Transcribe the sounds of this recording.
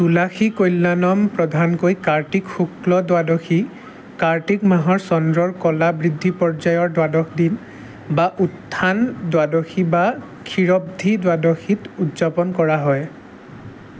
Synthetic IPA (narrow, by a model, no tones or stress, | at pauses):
tulaxikojlːanɔmpɹɔdʱankojkaɹʈikxuklɔdwadɔxi | kaɹtikmaɦɔɹsɔndɹɔɹkɔlabɹidʱːipɔɹzajɔɹdwadɔxʰdin | baʔutʰːandwadɔxiba | kʰiɹɔb̚dʱidwadɔxitutzapɔnkɔɹaɦɔj